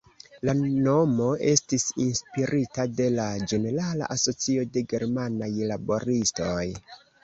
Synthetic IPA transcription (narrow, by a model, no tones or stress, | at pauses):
lano̞mo̞e̞stisinspiɾʔitade̞lad͡ʒe̞ne̞ɾala̰ʔaso̞t͡sio̞de̞ɡe̞ɾmanajlabo̞ɾisto̞j